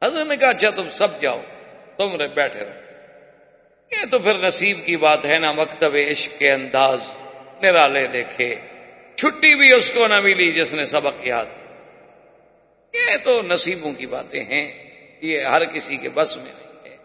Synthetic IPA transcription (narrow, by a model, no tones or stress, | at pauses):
ɦɐzɾət̪nẽːkaətːʃʰaːt̪ʊmsɐb̚d͡ʒa̰ːo̰ːt̪ʊmɾebɛːʈʰḛːɾo̰ | jeːt̪opʰɪɾnɐsiːbkibaːt̪ɦɛːnamɐkt̪əbeɪʃkkeɐ̃nd̪aːznɪɾaːled̪eːkʰeː | t͡ʃʰʊʈːibʱiʊskonɐmʱilid͡ʒɪsnẽsɐbəkija̰ːd̪ki | jet̪oːnəsiːbõkiba̰ːt̪ḛ̃ɦɛ̃ː | jeɦəɾkɪsikḛbəsmḛ̃leɦɛː